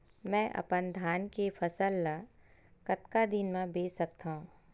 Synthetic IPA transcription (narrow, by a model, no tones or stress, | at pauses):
mɛ̃ːʔɐ̰pənd̪ʱaːnkefʰɐsəlːakɐt̪kad̪ɪnmẽbeːsɐkt̪aɦũː